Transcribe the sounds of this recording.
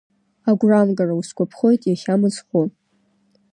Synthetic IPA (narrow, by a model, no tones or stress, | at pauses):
aɡʷramɡarauskʷapʰχo̞jtʼjaχʲamɨd͡zχo